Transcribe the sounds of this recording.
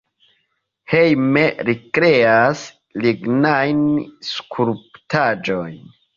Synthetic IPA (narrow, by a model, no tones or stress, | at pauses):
hejmeɾikɾeas | liɡnajnskʰuɾptad͡ʒo̞jn